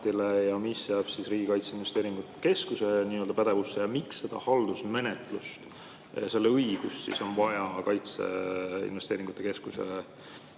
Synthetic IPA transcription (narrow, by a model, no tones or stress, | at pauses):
t̪ilejɑmisjæːb̥sisriːɡ̥ikɑjt̪seinvest̪eːɾiŋɡ̥ut̪ːˑke̞skuse̞niːø̞ld̪ɑpæd̪̥e̞vusːejɑmiksːe̞d̪̥ɑ̰hɑld̪usme̞net̪ˑlust̪ | ɑse̞lːeɤjɡ̥ussḭso̞nvɑjɑkɑjt̪se̞̰ḭnve̞st̪eːɾiŋɡ̥ut̪ːˑe̞ke̞skuse̞̰